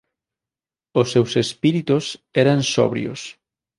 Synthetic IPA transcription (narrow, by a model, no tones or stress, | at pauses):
osːewsespiɾit̪ʊsɛɾansɔ̰βɾjo̰s